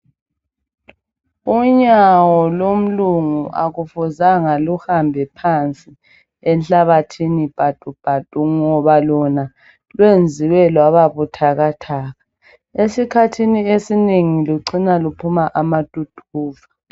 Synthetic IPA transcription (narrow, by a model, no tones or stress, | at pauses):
uɲawɔlom̩luŋuʔa̰ɣufuzaŋaluhambʱɛpʰant͡sʼi | ɛnɬaβatʰinib̥ʱad̥ʼʱub̥ʱatʼuŋɔβalɔna | lwend͡zʱiwɛlwaβaβutʰaɣatʰaːɣa | esikʰatʰiniesineŋiluǀinalupʰumaʔamad̥ʼʱud̥ʰʱuːvḁ